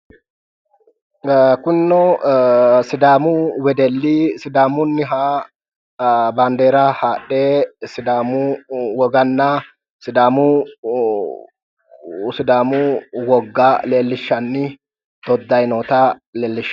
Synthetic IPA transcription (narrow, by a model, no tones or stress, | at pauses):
kʊnːɔ | sɪd̪aːmʊwɛd̪ɛlːɪsɪd̪aːmʊnːɪɦa | baːnd̪eːɾɐhaːɗːeːsɪd̪aːmʊwɔɡɐnːɐ | sɪd̪aːmʊ | sɪd̪aːmʊwɔɡːaleːlːɪʃːɐnːɪ | d̪̥ɔd̪ːɐjnoːt̪ɐleːlːɪʃ